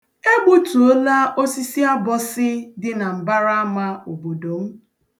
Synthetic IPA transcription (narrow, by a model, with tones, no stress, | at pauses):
e˦ɡ͡bu˦tu˨o˦la˦ʔo˦si˦si˦a˦bɔ˦sɪ˦dɪ˦na˨m̩˨ba˦ɾa˦a˦ma˦o˨bo˨do˨m̩˦